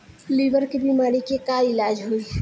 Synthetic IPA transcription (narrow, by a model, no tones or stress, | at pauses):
liːʋəɾkebiːmaːɾikekaɪlaːd͡ʒɦoi